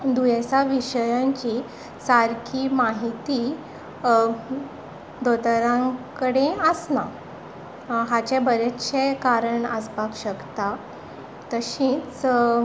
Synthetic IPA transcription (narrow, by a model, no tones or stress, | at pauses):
d̪ujesaʋiɕəjãɲt͡ɕi | saɾkʰiːmaɦit̪i | d̪ot̪əɾãŋkəɽeəsna | ɦat͡ɕebəɾet̪ɕekaɾəɳəspakɕəkt̪a | t̪əɕĩːt͡s